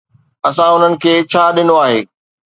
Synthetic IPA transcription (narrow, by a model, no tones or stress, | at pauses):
ɐsãʊn̤ənɪ̆kʰeːt͡ɕʰaːɗɪnoaːɦeː